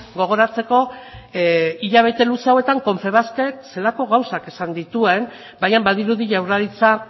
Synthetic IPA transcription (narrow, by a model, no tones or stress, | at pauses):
ɡo̞ɣ̞o̞ɾat͡se̞ko̞ | iʎaβ̞e̞t̪e̞luseawet̪aŋko̞ɱfe̞β̞aske̞kse̞lako̞ɣawsake̞sand̪it̪ue̞n | bajambað̞iɾuðiʝawraɾit͡sa